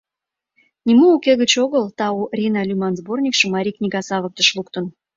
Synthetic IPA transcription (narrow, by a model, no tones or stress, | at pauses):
nʲimuːkeɣət͡ɕoɣəlt̪ɑurʲinɑlʲymɑnzbornʲikʃə̆mɑɾʲiknʲiɣɑsɑβə̆k̚t̪ə̆ʃlukt̪ə̆n